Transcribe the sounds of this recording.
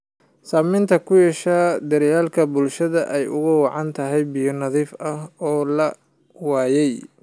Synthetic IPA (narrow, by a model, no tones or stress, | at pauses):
saːmɪnt̪ʰɐkʰʊjɛʃaːd̪ɐɾjaːlkʰɐbʊlʃɐðɐʔɛjʊ̰ɣʊwɑʕɑnt̪ʰɐɦɛjbijɔnɐðiːfɐɦɔːlɐ | wɑːjɛj